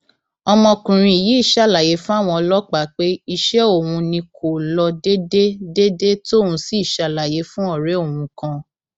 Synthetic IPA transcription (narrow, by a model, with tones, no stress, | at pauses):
ɔ˧mɔ̃˧kũ˨ɾ̃ĩ˦i˨ji˨˦i˦˨ʃa˦˨la˨je˨˦fũ˦a˦˨w̃ɔ̃˧ɔ˧lɔ˦k͡pa˨˦k͡pe˦i˦˧ʃɛ˦o˦˨wũ˧nĩ˧kʰo˨lɔ˧de˦de˦de˦de˦to˦˨wũ˧si˦i˦˨ʃa˨la˨je˨˦fũ˦ɔ˦˨ɾe˨˦o˦˨wũ˧kã˧